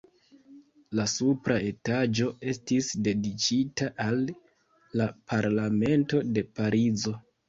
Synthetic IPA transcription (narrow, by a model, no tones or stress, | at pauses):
lasupɾae̞tad͡ʒo̞e̞stisde̞dit͡ʃitaʔalː | apʰaɾlame̞nto̞de̞paɾizo̞